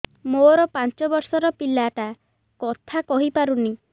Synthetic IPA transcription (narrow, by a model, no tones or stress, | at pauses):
moɾɔpant͡ʃɔbɔɾsɔɾɔpilaʈa | kɔt̪ʰakɔɦipaɾuni